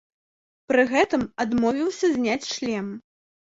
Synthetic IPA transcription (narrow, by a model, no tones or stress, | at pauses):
pɾɨɣɛt̪ɨmad̪mɔvʲiwsʲɐzʲnʲat͡sʲʂlʲɛm